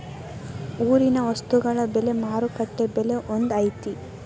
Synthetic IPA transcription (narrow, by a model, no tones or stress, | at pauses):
uːɾinɐʋɐst̪uɡɐɭɐbɛle̞maːɾukɐʈːebɛle̞ʔond̪ɐjt̪i